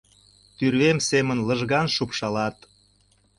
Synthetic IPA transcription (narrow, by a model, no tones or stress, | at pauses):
t̪yrβemsemənləʒɣɑnʃupʃɑlɑt̪